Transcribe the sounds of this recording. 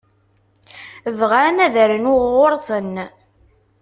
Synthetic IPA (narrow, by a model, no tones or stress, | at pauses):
əvʁanæðəɾənʊʁʊɾˤsˤən